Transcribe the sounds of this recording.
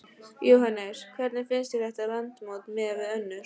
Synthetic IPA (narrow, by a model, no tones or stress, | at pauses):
jowɦanːɛɾ̥kʰvɛɾt̪nɪfɪnst̪iɾɛht̪alant̪mot̪mɛvɪœnːʏɾ̥